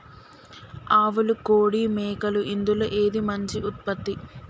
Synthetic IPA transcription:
aːʋulukoːɽiːmɛːkɐluʔind̪uloʔeːd̪imɐɲt͡ʃiut̪̚pɐt̪ːi

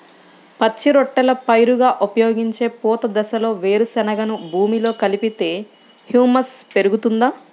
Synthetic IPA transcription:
pɐt͡ʃːiɾɔʈːɐlɐpɐjɾuɡaːʔupɐjo̞ːɡiɲt͡ʃe̞ːpuːt̪ɐd̪ɛsɐlo̞ːʋe̞ːɾusɛnɐɡɐnubʱuːmilo̞ːkɐlipit̪e̞ː | hjuːmɐspe̞ɾuɡut̪und̪aː

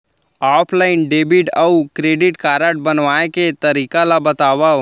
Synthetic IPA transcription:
aːpʰlaːɪnɖeːbiʈəukɾeːɖɪʈkaːɾəʈ̚bɐnʋaːẽket̪ɐɾiːkalabət̪aːʋa

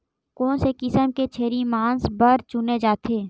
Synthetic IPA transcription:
kõːsekɪsəmket͡ʃʰeːɾimãːnsbəɾt͡ʃʊned͡ʒaːt̪ʰeː

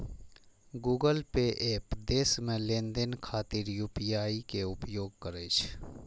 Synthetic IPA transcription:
ɡuːɡəlpeʔeːpd̪eːsmẽlẽːnd̪enkʰaːt̪ɪɾjuːpijaːikeʊpjoːɡ̚kəɾeːt͡ʃʰ

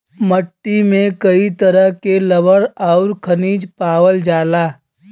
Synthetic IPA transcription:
məʈːimẽkəit̪əɾəɦkeləbəɽaːɾkʰəniːd͡ʒpaːwəld͡ʒaːlaː

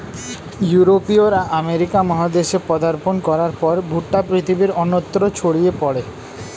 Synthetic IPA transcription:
juɾopioɾaʔameɾikamɔɦad̪eʃepɔd̪aɾponkɔɾaɾpɔɾbʱuʈːapɾit̪ʰibiɾɔnot̪ːɾot͡ɕʰoɽijepɔɽe

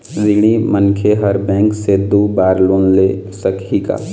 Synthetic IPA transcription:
zɪɽ̃imənkʰeɦɐɾbɛ̃ːŋksed̪oːbaːɾloːnlesəkʰika̰ː

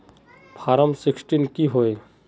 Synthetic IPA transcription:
pʰaːɾəmsɪksʈinkiɦoːe

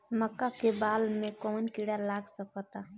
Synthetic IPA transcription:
məkːakebaːlmẽkɔːnkiɽalaːɡsəkɔt̪a

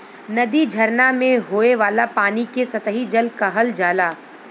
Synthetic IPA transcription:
nɐd̪id͡ʒʱɐɾnamẽɦoːeʋaːlapaːnikesɐt̪əɦid͡ʒɐlkaɦɐld͡ʒaːlaː

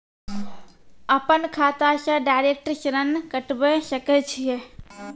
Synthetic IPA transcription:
əpənkʰaːt̪asə̃ɖajɾek̚ʈəɾʃɾənkəʈbɛsəkɛt͡ʃʰije

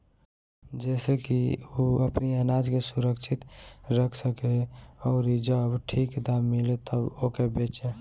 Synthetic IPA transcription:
d͡ʒɛːsekioəpniənad͡ʒkesuɾəkt͡ʃʰit̪ɾəkʰsəkeɔːɾid͡ʒəbʈʰikd̪amːilet̪ʰəbokebet͡ʃe

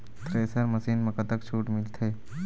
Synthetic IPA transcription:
t̪ʰɾeːsɐɾmɐsiːnmɐkət̪əkt͡ʃʰuːʈmɪlt̪ʰeː

